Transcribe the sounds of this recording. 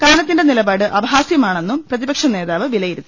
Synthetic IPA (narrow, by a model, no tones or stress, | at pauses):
kaːnɐt̪ːinde̞nilɐbaːɽɨʔɐʋɐɦaːsjɐmaːɳe̞nːumprɐðibɐkʂɐne̞ːðaːʋɨʋilɐjiɾunːɨ